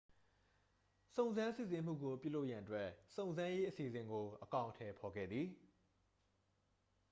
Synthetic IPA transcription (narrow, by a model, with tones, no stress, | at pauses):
sõ˨ʊ̃nzã˦nsɪ̰˦˨sɪ˨m̥ṵ˦˨ɡo˨pjṵ˦˨lo˦ʔjã˨ʔə˦t̬wɛ˦ʔsõ˨nzã˦je˦ʔəsḭ˨zɪ̃˨ŋɡo˨ʔəkã˨ʊʔəntʰɛ˨pʰɔ˨ɡɛ̰˦˨d̪ði˨